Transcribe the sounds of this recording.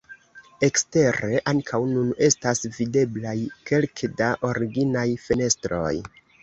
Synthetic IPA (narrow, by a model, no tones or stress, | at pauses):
e̞kste̞ɾe̞ʔaŋkʰawnune̞stasvide̞blajke̞lkdaʔo̞ɾiɡinajfene̞stɾo̞̰j